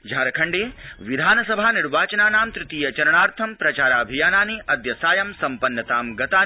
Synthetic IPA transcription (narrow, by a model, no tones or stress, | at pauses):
d͡ʒʱaːɾɐkʰɐɳɖeːʋid̪ʱaːnɐsɐbʱaːniɾʋaːt͡ʃɐnaːnaːmt̪ɾɪt̪iːjɐt͡ʃɐɾɐɳaːɾt̪ʰɐmpɾɐt͡ʃaːɾaːbʱijaːnaːniʔɐd̪jɐsaːjɐmsɐmpɐnːɐt̪aːmɡɐt̪aː